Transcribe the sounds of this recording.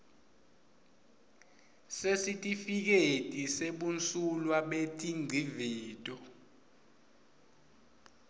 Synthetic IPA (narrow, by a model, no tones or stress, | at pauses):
sesitʼifik̬etʼiseɓunt͡sʼulwaɓetʼiŋ͡ǀʱiviːtʼɔ